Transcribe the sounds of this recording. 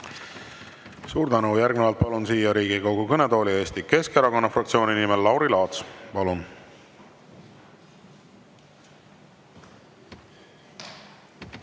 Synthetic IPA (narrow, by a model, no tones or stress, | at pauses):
suːɾd̪ænujærɡnevɑlt̪̚pɑlunsiːjɑɾiːɡ̥ikowɡ̥ukɤne̞d̪o̞ːlie̞ːst̪ike̞skeɾɑko̞nːɑfrɑk̚t̪sio̞ːninimelːɑwɾilɑːt̪spɑlun